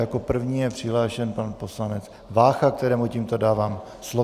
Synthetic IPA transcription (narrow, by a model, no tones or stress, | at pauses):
jako̞pr̩vɲiːjɛpr̝̥ɪɦlaːʃɛnpanpo̞slanɛt͡s | vaːxak̚t̪ɛɾɛːmucimt̪o̞daːvaːm | slo